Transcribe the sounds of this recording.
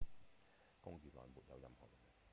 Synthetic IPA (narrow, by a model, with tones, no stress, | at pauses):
kʊ˥ŋjyː˨lɔ̰ː˨˩muː˨t̚jɐ̰˨wjɐ˧mhɔ̰˨k̚l